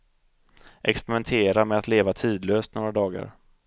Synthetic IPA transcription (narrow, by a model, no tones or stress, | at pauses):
ʔɛkspɛɾɪmɛnt̪ʰeːɾamɛat̪leːvat̪ʰiːd̪løːst̪noːɾad̪ɑːɡa̰ɾ